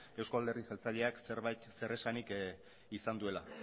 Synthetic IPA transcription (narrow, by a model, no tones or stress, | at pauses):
e̞wskoald̪e̞rðisalt͡saʎe̞akseɾβajt̪se̞re̞sanik | isand̪ue̞la